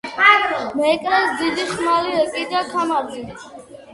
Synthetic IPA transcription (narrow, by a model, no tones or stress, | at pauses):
mɛːkʼɾɛsd̪id̪iχmaliɛkʼid̪akʰamaɾd̪i